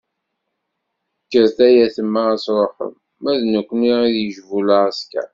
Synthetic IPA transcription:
kːəɾθæjæθəmːaæsɾˤoħə̰mː | æðnəkʷːniiðjəʒvulaʁæskæ̰

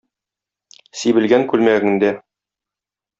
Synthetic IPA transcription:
sibɘ̆lɡæŋkʉlmæɘ̆ɡɘ̆nd̪æ

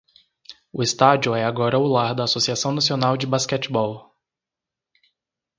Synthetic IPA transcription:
ʊest̪ad͡ʒiʊɛaɡɔɾɐʊlaɾd̪ɐːsosiasɐ̃w̃nasionawd͡ʒɪbaskɛt͡ʃɪbɔw

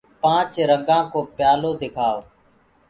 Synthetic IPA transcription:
pãːt͡ʃɾəŋɡãːkoːpjaːloːd̪ɪkʰaːoː

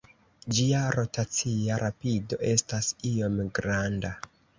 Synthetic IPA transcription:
d͡ʒiaɾo̞tat͡siaɾʔapido̞ʔe̞stasio̞mɡɾanda

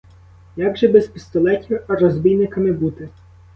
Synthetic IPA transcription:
jaɡʒɛbɛzpɪst̪ɔlˠɛtʲiwɐrɔzbʲijnɪkɐmɪbut̪ɪ

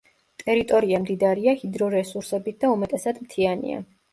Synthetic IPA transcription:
t̪ʼɛɾit̪ʼɔɾiamd̪id̪aɾiahid̪ɾɔɾɛsuɾsɛbit̪̚ʰd̪̥aumɛt̪ʼɛsad̪mt̪ʰianḭa̰

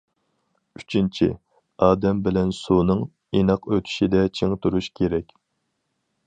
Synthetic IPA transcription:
yt͡ʃʰint͡ʃʰḭ | ɑːd̪ɛmbɪlɛnsunɨŋ | enɑqøt̪ʰy̥ʃid̪ɛt͡ʃʰeŋt̪ʰuɾuʃkʲʰeɾɛkʲ

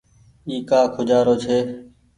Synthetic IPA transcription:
iːkaːkʰʊd͡ʒaːɾoːt͡ʃʰeː

